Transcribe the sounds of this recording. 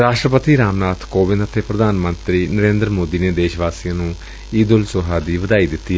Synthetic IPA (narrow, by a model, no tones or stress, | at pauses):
ɾaːʃʈɾəpət̪iːɾaːmnaːt̪ʰkoːʋɪ̃nd̪ət̪ʰeːpɾəd̪aːnmənt̪ɾiːnəɾẽːnd̪ɾmoːd̪iːneːd̪eːʃʋaːsiːãːnũː | iːd̪ʊlsoːɦaːd̪iːʋəd̪aːiːd̪ɪt̪ːiː